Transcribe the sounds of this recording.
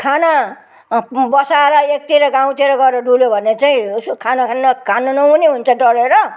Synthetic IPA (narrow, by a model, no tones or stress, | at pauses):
kʰana | bʌsaɾʌek̚t̪iɾʌɡaw̃t̪ʰeɾʌɡʌeɾʌɖuljobʱʌnet͡saĩkʰanakʰanːʌkʰanonʌɦuneɦunt͡sʰʌɖʌɽeɾʌ